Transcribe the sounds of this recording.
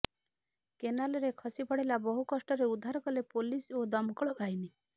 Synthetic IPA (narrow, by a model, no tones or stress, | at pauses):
kenalɔɾekʰɔsipɔɽ̤ilabɔɦukɔsʈɔɾeud̪ʱːaɾɔkɔlepolisod̪ɔmkɔɭɔbʱajni